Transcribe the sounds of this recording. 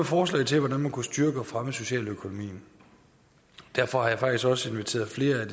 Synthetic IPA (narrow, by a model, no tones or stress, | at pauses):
fɒːs̬lɛ̰ɪt͡sʰe̝lʋɒdænmænkusd̥yɐɡ̥əɒ̽fʁaməso̝ɕɛ̰ːløkʰo̝no̝mḭːn̩ | d̥æɐ̰fɒ̽hɑ̈jɑ̈fɑ̈ɡ̥̚d̥isɡ̥ɒ̽səe̝nʋit͡sʰe̝̰ːɐð̩ˠfle̝ːɐæd̥